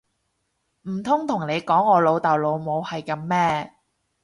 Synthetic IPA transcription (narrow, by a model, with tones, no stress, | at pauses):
m̩˨˩t̪ʰʊ˥ŋt̪ʰʊ˨˩ŋne˨˧jkɔː˨˥ŋɔː˨˧lo˨˧wt̪ɐː˨˩wlo˨˧wmo˨˧whɐ˨jkɐ˨˧˥mːɛː˥